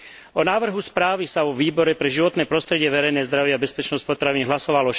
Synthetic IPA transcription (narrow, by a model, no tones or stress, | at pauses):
ɔnaːʋr̩ɦuspɾaːʋisavɔʋiːbɔɾɛpɾɛʒiʋɔt̪nɛːpɾɔst̪ɾɛɟɪɛʋɛɾɛjnɛːzd̪ɾaʋɪɛabɛspɛt͡ʃnɔsc̚pɔt̪ɾaʋiniɦlasɔʋalɔ